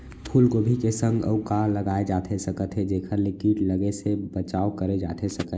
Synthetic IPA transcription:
pʰuːlkobʱikesə̃ŋɡə̰ukaləɡaːed͡ʒaːt̪ʰesəkət̪ɦed͡ʒeːkʰəɾlɪkiʈləɡesebət͡ʃaːokəɾed͡ʒa̰ːt̪ʰesəkə

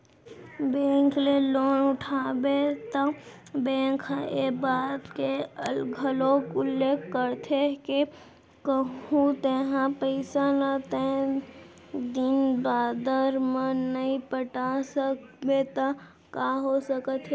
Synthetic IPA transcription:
bẽːŋkleloːnʊʈʰaːbet̪a | bẽːŋkʰebaːt̪keəlɡʱəlokʊlːeːkkəɾt̪ʰeke | kəũt̪eɦãpəɪsanat̪ẽ | d̪ɪnbaːd̪əɾmə̃nəɦĩpəʈasək | bet̪a | kaɦosəkət̪ʰe

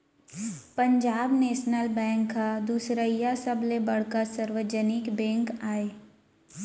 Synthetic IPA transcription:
pə̃ɲd͡ʒaːbneːʃnəlbɛ̃ːŋkːad̪uːsɾəijasɐblebɐɽ̤kasəɾʋəd͡ʒənɪkbɛ̃ːŋkaːeː

